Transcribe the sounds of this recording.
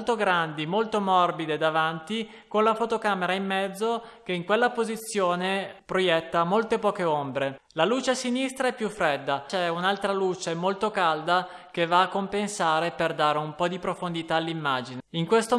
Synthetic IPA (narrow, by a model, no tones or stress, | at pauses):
lt̪oɡɾand̪imolt̪omɔrbid̪ed̪avant̪i | konlafot̪okaːmeɾaimːɛd̪zːok̟eiŋkwelːapozit̪sːjoːnepɾojɛt̪ːamolt̪epɔːkeombɾe | laluːt͡ʃesinist̪ɾaɛpːjufːɾed̪ːat͡ʃɛunalt̪ɾalut͡ʃemolt̪okald̪a | k̟evːaːkːompensaːɾeperd̪aːɾeumpɔd̪ipɾofond̪it̪aːlːimːaːd͡ʒiniŋkwest̪o